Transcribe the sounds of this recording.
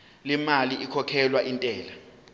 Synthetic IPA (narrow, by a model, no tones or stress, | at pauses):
lɛmaliʔikʰɔkʰɛlwaʔintʼɛːla